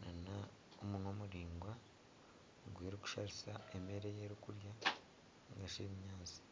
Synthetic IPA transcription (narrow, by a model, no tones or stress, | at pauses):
nana | omunomuɾiːŋɡwa | ɡweːɾiku̥ʃaɾisaemeɾejeɾikuɾja | ŋɡaʃeːβiɲaːt͡si̥